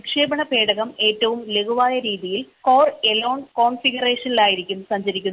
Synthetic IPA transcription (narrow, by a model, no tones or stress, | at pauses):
kʂeːbɐɳɐpe̞ːɽɐɣɐme̞ːtːɐʋumle̞ɡuʋaːjɐɾiːðijilko̞ːreloːɳko̞ːɳfiɡɐre̞ːʂɐnilaːjiɾikʲːumsɐɲd͡ʑɐɾikʲːunː